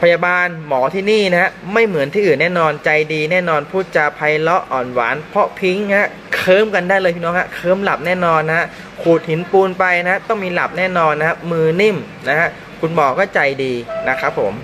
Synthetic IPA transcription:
pʰa˧jaː˧baː˧nmɔː˩˦t̪ʰiː˥˩niː˥˩na˦a˦˥ma˥˩jmɯ˩˦nt̪ʰiː˥˩˨ɯː˨˩nːɛː˥˩nɔː˧nt͡ɕa˧jdiː˧nɛː˥˩nɔː˧npʰuː˥˩t̪̚t͡ɕa˨˩pʰa˧jlɔ˦˥ʔʔɔː˨˩nwa̰ː˩˦npʰɔ˦˥pʰi˦˥ŋha˦˥ | kʰɤː˦˥˩mka˧ndaː˥˩jlɤː˧jpʰi˥˩nɔː˦˥ŋha˦˥kʰɤː˦˥˩mla˨˩p̚nɛː˥˩nɔː˧nːa˧˦ɦa˦˥ | kʰuː˨˩t̪̚hi˩˦npuː˧npa˧jna˦˥t̪ɔ˥˩ŋmiː˧la˨˩p̚nɛː˥˩nɔː˧nːa˧˦ha˥mɯː˧ni˥˩m | na˦˥hɦa˦˥ʔ | kʰu˧nbɔː˨˩kɔː˥˩t͡ɕa˧jdiː˧na˦˥kʰa˦˥pʰːo˩˦m

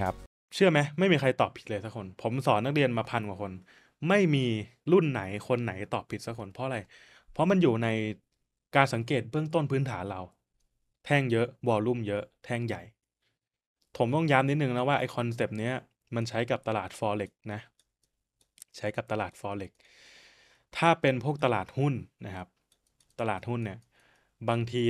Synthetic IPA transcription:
a˦˥p̚ | t͡ɕʰɯ˥˩ɐma˦˥jma˥˩jmiː˧kʰa˧jt̪ɔː˨˩pʰi̥˨˩t̪̚lɤː˧jsa˦˥kʰo˧npʰo˩˦msɔː˩˦nːa˦˥k̚li˧ənmaː˧pʰa˧nkwaː˨˩kʰo˧n | ma˥˩jmiː˧lu˥˩nːa˩˦jkʰo˧nːa˩˦jt̪ɔː˨˩pʰːi˨˩sa˦˥kʰo˧npʰɔ˦˥˧ɾa˧j | pʰɔ˦˥ma˧njuː˨˩na˧j | kaː˧nsa˩˦ŋkeː˨˩t̪̚bɯ˥˩əŋt̪o˥˩npʰɯː˦˥nt̪ʰaː˩˦nɾa˧w | t̪ʰɛː˥˩ŋjɤ˦˥ʔwɔː˧lu˥˩mjɤ˦˥ʔt̪ʰɛː˥˩ŋja˨˩j | p̪ʰo˩˦mt̪ɔ˥˩ŋjaː˦˥mni˦˥t̪̚nɯ˨˧˨ŋna˦˥waː˥˩ʔa˧jkʰɔ˧ns̬e˨˩p̚ni˦˥ɐ | ma˧nt͡ɕʰa˦˥jka˨˩p̚t̪a˧laː˨˩t̪̚fɔː˧le˨˩k̚na˦˥ʔ | t͡ɕʰa˦˥jka˨˩p̚t̪a˧laː˨˩t̪̚fɔː˧le˨˩k̚ | t̪ʰaː˥˩pe˧npʰu˥˩ək̚t̪a˧laː˨˩t̪̚hu˥˩nːa˦˥kʰa˦˥p̚ | t̪a˧laː˨˩t̪̚hu˥˩nːi˥˩ɐ | baː˧ŋt̪ʰiː˧

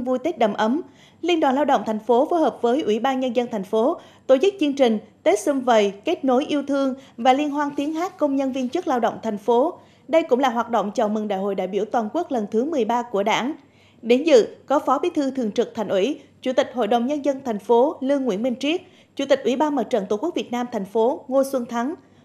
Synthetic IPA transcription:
vu˧jt̪e˦˥t̚ɗə˧˩mʔə˨˦m | li˧ənɗwa̰ː˨˩nlaː˧wɗə̰˧˨wŋ͡mt̪ʰa˨˩jŋ̟fo˨˦fo˨˦jhəː˨˩p̚vəː˨˦jʔwḭ˧˩ɓaː˧nɲə˧nzə˧nt̪ʰŋ̟fo˨˦ | t̪o˧˩t͡ɕɨ˦˥k̚t͡ɕɨ˧əŋt͡ɕï˨˩ŋ̟t̪e˦˥t̚sɨ˧mvə˨˩jke˦˥t̚no˨˦jʔi˧əwt̪ʰɨ˧əŋvaː˨˩li˧ənɦwaː˧nt̪i˨˦ənɦaː˦˥k̚kə˧wŋ͡mɲə˧nvi˧ənt͡ɕɨ˦˥k̚laː˧wɗə̰˧˨wŋ͡mt̪ʰjŋ̟fo˨˦ | ɗə˧jkʊ̰˧˥ŋ͡mlaː˨˩ɦwaː˨˩t̚ɗo̰˧˨wŋ͡mt͡ɕə̰˧˨wmɨ˨˩ŋɗa̰ː˧˨jho̰˧˨jɗa̰ː˧˨jɓi˧˩əwt̪waː˨˩nku˦˥ək̚lə˨˩nt̪ʰɨ˨˦mɨ˨˩əjɓaː˧ku˧˩əɗa̰ː˧˩˥n | ɗe˨˦nzɨ̰˧˨kɔ˨˦fɔ˨˦ɓi˨˦t̪ʰɨ˧t̪ʰɨ˨˩əŋt͡ɕɨ˨˩k̚t̪ʰjŋ̟ʔḭ˧˩t͡ɕu˧˩t̪ï˨˩k̟̚ɦo̰˧˨jɗə˨˩wŋ͡mɲə˧nzə˧nt̪ʰa˨˩ŋ̟fo˨˦lɨ˧əŋːwḭ˧˩ənmï˧ŋ̟t͡ɕi˦˥ək̚ | t͡ɕu˧˩t̪ï˨˩k̟ʔwi˧˩ɓaː˧nmə˨˩t̚t͡ɕə̰˧˨nt̪o˧˩ku˦˥k̚vi˨˩ət̚naː˧mt̪ʰɛ˨˩jŋ̟fo˨˦ŋo˧swə˧nt̪ʰa˨˦ŋ

